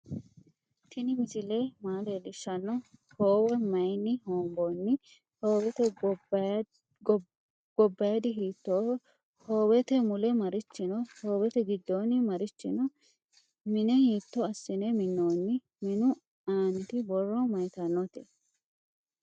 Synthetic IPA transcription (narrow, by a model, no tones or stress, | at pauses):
t̪ʰɪnɪmɪsɪleːmaːleːlɪʃːɐnːɔhoːwɔmɐjnːɪhoːmboːnːɪ | hoːwɛt̪ɛ | ɡ̥ɔbːɐjɐd̪ɪɦiːt̪ːoː | hoːwɛt̪ɛmʊlɛmɐɾɪt͡ʃːɪnɔhoːwɛt̪ɛɡɪd̪ːoːnːɪmɐɾɪt͡ʃːɪ̰nɔ | mɪnɛhiːt̪ːɔɐsːɪnɛmɪnːoːnːɪ | mɪnʊ | aːnt̪ɪbɔrːɔmɐjt̪ɐnːɔt̪e